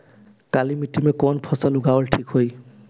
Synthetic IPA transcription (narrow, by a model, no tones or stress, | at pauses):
kalimitimɛkɔnpʰɔsalʊɡaɔlʈʰikhoj